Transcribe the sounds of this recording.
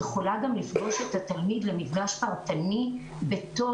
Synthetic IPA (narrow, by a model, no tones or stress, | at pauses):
eχolaɡamlifɡo̞ʃe̞tat̪almidlemifɡaʃpaʁtani | be̞t̪o̞